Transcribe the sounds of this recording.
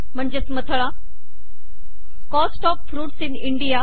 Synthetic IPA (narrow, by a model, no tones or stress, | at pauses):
m̤əɳd͡ʑesmət̪ʰəɭã | kɔsʈɔːp̚fɾuːʈsinɪɳɖija